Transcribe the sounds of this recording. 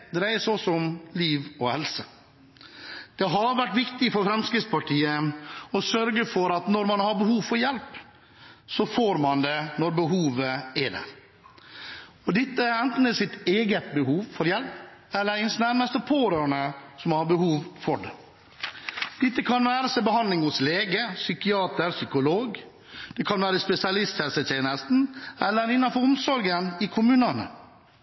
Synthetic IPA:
d̪ɾæɪəsɔsɔmliːʋɔhɛlsə | d̪̥ɛɦɑɾʋæʈːʋɪkt̪ɪfɔɾfɾɛmskɾɪt̪spɑʈʰiːəɔsœɾɡəfɔɾɑt̪nɔɾmɑnhɑɾbəhuːʋfɔɾjɛlp | sɔfoːɾmɑnd̪ɛnɔɾbəɦuːʋəɛɖæ̰ːɾ | ɔd̪ɛt̪ːəæɾɛnt̪n̩d̪əsɪt̪eːɡət̪̚bəɦuːʋfɔɾjɛlpɛlːəɾɪnsnæɾməst̪əpʰoːɾøːɳəsɔmhɑɾbəhuːʋfɔɖɛ | d̪̥ɪt̪ːəkʰɑnʋæːɾəsɛbəɦɑnd̪lɪŋʊsleːɡəsʏkɪɑːt̪əɾsʏkʊloːɡ | d̪̥ɛkʰɑnʋæːɾəspɛsɪɑlɪst̪hɛlsət̪ʰeːnəst̪n̩ɛlːəɾɪnːɑnfɔɾʊmsɔɾɡənɪkʰʊmʉːnənə̰

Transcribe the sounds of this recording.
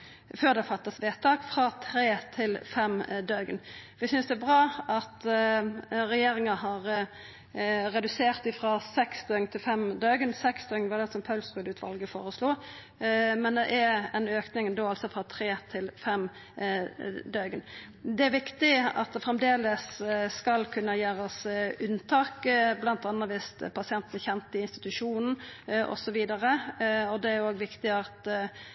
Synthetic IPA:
føːʁd̪ɛfɑt̪ːɑsʋeːt̪ʰːɑːkfʁɑt̪ʰɾeːt̪ʰɪlfɛmd̪øɡənʋɪsʏnsd̪ɛæbʁɑːɑt̪ | ɾɛjeːɾɪŋɑɦɑʁə | ɾɛd̪ʉseːʁt̪ɪfʁɑsɛksd̪øːɪŋt̪ʰɪlfɛmd̪øːɡənsɛksd̪ʰøŋnʋɑd̪ɛsɔmpʰɑʉlsbʉd̪ʉːt̪ʰʋɑ̰lɡəfo̰ːɾəsluː | mɛnd̪ɛ̰ʔæɛnøːknɪŋd̪oːɑlsɔfʁɑt̪ʰɾeːt̪ʰɪlfɛm | d̪œɡən | d̪ɛæɾʋɪkt̪ɪɑ̰t̪̚d̪ɛfʁɛmd̪eːləsskɑlkʰʉnːəjæːɾəsʉnːt̪ʰɑːkblɑnt̪ɑnːəʋɪst̪pʰɑsɪɛnt̪nəçɛnt̪ɪɪnst̪ɪ̥t̪ʉʂuːnn̩ʔɔ̰sɔʋiːd̪ɑʁəɔd̪ɛæɾjʊoːɡʋɪkt̪ɪɑt̪

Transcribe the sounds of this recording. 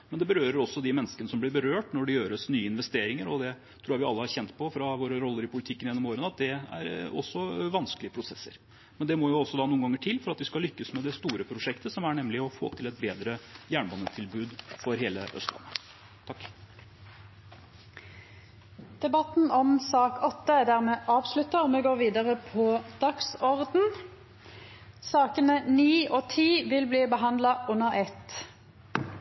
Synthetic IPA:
mɛnd̪ɛbəɾøːɾəɾɔsːɔd̪ɪmɛnːəskənəsɔmblɪɾbəɾøːʈnɔɖɛɪjøːɾəsnyːəɪnʋɛst̪eːɾɪŋəɾɔd̪ɛ | t̪ʰɾuːjæʋɪɑlːəhɑɾçɛnt̪pʰɔfɾɑʋoːɾəɾɔlːəɾɪpʰʊlɪt̪ʰɪkːənjɛnːɔmoːɾənəɑt̪̚d̪ɛæ̰ɾɔ̰sːɔʋɑnsklɪəpʰɾʊsɛsːə̰ɾ | mɛnd̪ɛmɔjʊɔsːɔd̪ɑːnuːnɡɑŋːəʈʰɪlːfɔɾɑt̪ʋɪskɑlʏkːəsmɛd̪ɛst̪uːɾəpʰɾʊʂɛkt̪əsɔmæɳɛmlɪɔfo̰ːt̪ʰɪlɛt̪̚beːd̪ɾəjæːɳbɑnːət̪ʰɪlbʉːd̪fɔɾɦeːləʔœ̰st̪lɑ̰nːə | t̪ʰɑkː | d̪̥ɛbɑt̪n̩ɔmsɑːkʰɔt̪ːəd̪æːʁmeːʔɑːʋslʉt̪əmeːɡoːʁʋiːd̪əʁəpʰɔd̪̥ɑksɔʁd̪n̩ | sɑːkənəniːoːt̪ʰiːʋɪlbliːbəɦɑnd̪lɑʔʉnəʁɛt̪

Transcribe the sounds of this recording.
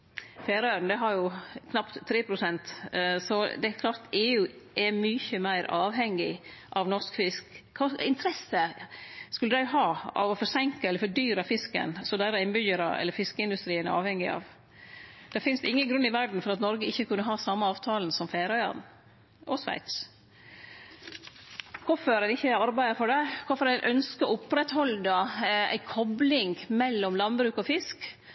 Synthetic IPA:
feːɾœɾn̩d̪ɛɦɑɾjʊkʰnɑpt̪ʰːɾeːpʰɾʊsɛnt̪sɔd̪ɛækʰlɑːɾt̪eːʉːʔɛmyːçəmæɪɾɑːʋɦɛŋːɪʔɑʋnɔʂkfɪskkʰɑːɪnt̪ʰɾɛsːəskʉlːəd̪æɪɦɑːɑ̰ʋɔfɔɾsɛŋkəɛlːəɾfɔɖyːɾɑfɪskə̰nsɔd̪æɪɾɑɪnbʏjəɾəɛ̰lːəɾfɪskəɪnd̪ʉst̪ɾiːənæ̰ɾɑ̰ːʋhɛŋːɪɑ̰ʋ | d̪̥ɛfɪnst̪ɪŋːənɡɾʉnːɪʋæɖn̩fɔɾɑt̪nɔɾɡəɪçːəkʉnːəɦɑːsɑmːəɑːʋt̪ʰɑːln̩sɔmfeːɾœʏɑ̰n | ʔɔsʋæ̰ɪt̪s | kʰɔfəɾæɪnɪçːəɑɾbæɪəfɔɖæɪkʰɔfɔɾæɪnʔœnskəɔʊpɾɛt̪hɔld̪əæ̰ɪkʰɔblɪŋmɛlːɔmlɑnbɾʉːkɔfɪsk

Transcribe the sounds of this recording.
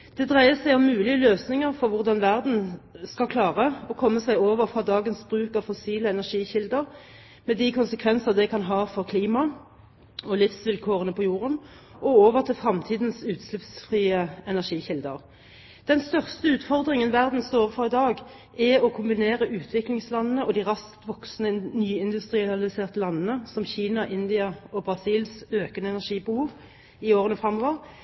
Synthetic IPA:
d̪̥ɛd̪ʁæɪəsæɪɔmːʉːlɪəløːsnɪŋəʁfɔʁʋʊʁd̪ɑnʋæʁd̪n̩skɑkʰlɑːʁəɔkʰɔmːəsæɪoːʋəʁfʁɑd̪ɑːɡənsbʁʉːkɑʋfɔsiːləɛnæʁʂiːçɪld̪əʁ | mɛd̪ɪkʰʊnsəkʰʋɛnsəʁd̪ɛkʰɑnɦɑːfɔʁkʰliːmɑ | ɔlɪfsʋɪlkʰoːʁənəpʰɔjuːʁən | ɔoːʋəʁt̪ʰɪlfʁɑmt̪ʰiːd̪nsʉːt̪slʉpsfʁiːəɛnæʁʂiːçɪld̪ə̰ʁ | d̪̥ɛnst̪œʁst̪əʉːt̪fɔʁd̪ʁɪŋənʋæʁd̪n̩st̪oːʋfɔʁɪd̪ɑːɡ | ʔɛɔkʰʊmbɪneːʁəʔʉːt̪ʰʋɪklɪŋslɑnən̩əʔɔd̪ɪʁɑskt̪ʋɔksnənyːɪnd̪ʉst̪ʁɪɑlɪseːʁt̪əlɑnːənəsɔmçiːnɑʔɪnd̪ɪɑɔbʁɑsiːlsøːkənəɛnæʁʂiːbəhuːʋ | ɪoːʁənəfʁɑmːoːʋəʁ

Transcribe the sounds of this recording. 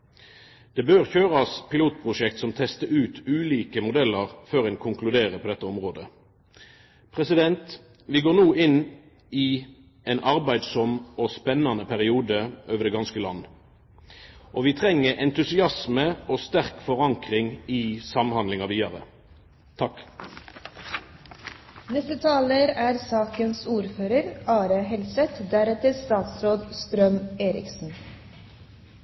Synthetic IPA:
d̪̥ɛːbøːʁçøːʁɑspɪluːt̪̚pʰʁʊʃɛkt̪sɔmt̪ʰɛst̪əʉːt̪ʰʉːliːkəmʊd̪ɛlːɑʁføːʁɛːnkʰʊŋklʉd̪eːʁəpʰɔd̪ɛt̪ːəɔmʁoːd̪ə | pʰʁɛsɪd̪ɛnt̪ | ʋɪɡoːʁnuːʔɪn | ɪ | ɛːnʔɑʁbæɪd̪sɔmɔspɛnːɑnəpʰæʁɪuːd̪əʔøːʋəd̪ɛːɡɑnskəlɑ̰nː | ʔoːʋiːt̪ʰʁɛŋːəʁʔɛnt̪ʉsɪɑsməoːst̪æʁkfɔʁɑŋkʁɪŋɪsɑmhɑnlɪŋɑʋiːɑʁə̰ | t̪ʰɑk | nɛst̪ət̪ʰɑːləɾæːɾsɑːkənsuːɾføːɾəɾɑːɾəɦɛlsɛt̪d̪æɾɛt̪əst̪ɑːt̪sɾoːd̪st̪ɾœmeːɾɪ̰ksn̩

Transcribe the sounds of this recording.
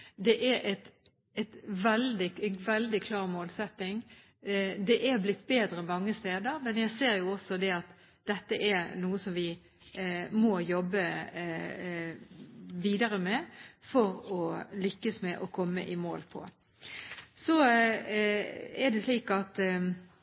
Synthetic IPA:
d̪ɛʔæɾʔɛt̪ | ɛt̪ʋɛld̪ɪnʋɛld̪ɪkʰlɑːʁmoːlsɛt̪ːɪŋ | d̪ɛʔæɾblɪt̪ːbeːd̪ɾəɛmɑŋːəst̪eːd̪əɾmɛnjæɪseːɾjʊɔsɔd̪ɛɑt̪ | d̪̥ɛt̪ːəʔænuːəsɔmʋɪ | mɔjɔbːə | ʋiːd̪ɑɾəmɛfɔɾɔlʏkːəsmɛʔɔkʰɔmːə̰ʔɪmo̰ːlpʰɔ̰ | sɔ | ɛd̪ɛsliːkɑt̪

